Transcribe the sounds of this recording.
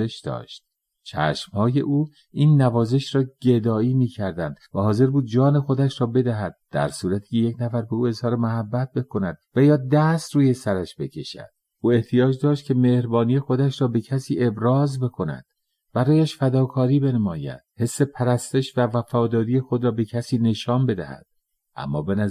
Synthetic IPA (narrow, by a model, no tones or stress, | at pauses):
eʃd̪ɒ̰ːʃt̪̚ | t͡ʃʰæ̰ːʃmhɒːje̞̰ʔuː | iːnːævɒːze̞ʃɾɒːɟed̪ɒːiːmiːcʰæɾd̪ænd̪̥væhɒːze̞ɾbuːd̪̚d͡ʒɒːne̞xo̞d̪æʃɾɒːbe̞d̪æɦæd̪̚d̪̥æ̰ɾsuːɾæt̪ʰiːcʰejecnæfæɾbeuːe̞zhɒːɾemoɦæbːæt̪̚be̞kʰo̞næd̪̥væjɒːd̪æst̪ɾuːje̞sæɾæʃbe̞cʰe̞̰ʃæ̰d̪̥ | ʔuːe̞ht̪ʰijɒːd͡ʒd̪ɒːʃt̪̚cʰe̞me̞hɾbɒːnije̞xo̞d̪æʃɾɒːbe̞cʰæsiːʔebɾɒːzbe̞kʰo̞næ̰d̪̥ | b̥æɾɒːjæʃfæd̪ɒːkʰɒːɾiːbe̞nmɒːjæ̰d̪̥he̞sːe̞pʰæɾæst̪e̞ʃvævæfɒːd̪ɒːɾije̞xo̞d̪ɾɒːbe̞cʰæsiːne̞ʃɒːmbe̞d̪æ̰hæ̰d̪̥̚ | ʔæ̰mːɒ̰ːbenæ